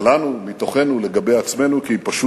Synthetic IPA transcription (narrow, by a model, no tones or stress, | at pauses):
lanumit̪o̞χe̞nule̞ɡabe̞jat͡sme̞nukiipaʃu